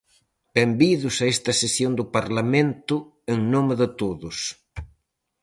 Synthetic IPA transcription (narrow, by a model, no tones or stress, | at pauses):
b̥embiðʊsaest̪ɐsesjond̪ʊpaɾlamẽnt̪ʊ | eŋnomeðɪt̪oðʊs